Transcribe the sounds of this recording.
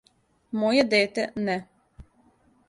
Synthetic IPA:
mojed̪eːt̪ɛnɛ

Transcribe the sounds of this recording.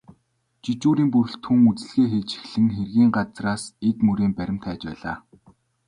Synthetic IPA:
t͡ɕit͡ɕuːɾiːmpɵrɬt̪ʰxuŋut͡sɘ̆ɮɣeːxet͡ɕi̥xɮɘ̆ŋxerɣiːŋɢat͡sraːset̪mɵɾeːmpæɾʲɪ̆m̥t̪ʰæːt͡ɕpæ̰ːɮa̰ː

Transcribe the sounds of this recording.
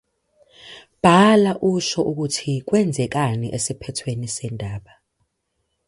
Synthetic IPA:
b̥ʱalaʔuʃɔʔuk̬utʰik̬wɛnd͡zʱɛk̬aniʔesipʰɛtʰwenisɛndʱaːɓa

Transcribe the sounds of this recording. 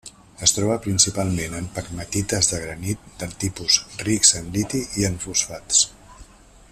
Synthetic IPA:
əst̪ɾɔβəpɾinsipalˠmenəmpəkmət̪it̪əzðəɣ̞ɾənit̪̚d̪əlˠt̪ipuzrikzənlit̪iiəɱfusfat̪s

